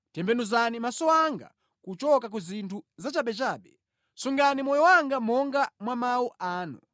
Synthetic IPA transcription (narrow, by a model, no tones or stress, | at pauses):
tɛmbɛnuzanimasɔaŋɡa̰ | kut͡ʃɔkak̬uzintʰuzat͡ʃaɓɛt͡ʃaːɓɛ | suŋɡanimɔjɔwaŋɡamɔŋɡamwamawuʔaːnṵ